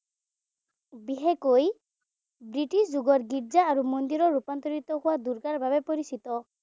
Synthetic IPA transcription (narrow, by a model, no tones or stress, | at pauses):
biɦekoj | bɹiʈisd͡ʒuɡɔɹɡiɹzaːɹumɔnd̪iɾɔɹupant̪ɔɹit̪ɔɦʊwad̪uɹɡaɹbʱabɛpɔɹisit̪ɔ